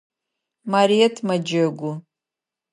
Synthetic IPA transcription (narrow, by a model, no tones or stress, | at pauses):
maɾietʰmad͡ʒaɡʷʊ